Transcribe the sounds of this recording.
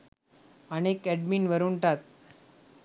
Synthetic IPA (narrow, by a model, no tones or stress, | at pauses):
ənekɛɖmiːnʋəɾuɳʈ̪at̪̚